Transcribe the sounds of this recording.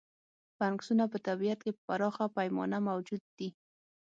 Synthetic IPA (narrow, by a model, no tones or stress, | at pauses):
paŋksunapət̪abijat̪kepaɾɑxapajmɔ̰namawd͡ʒʊd̪̚ːi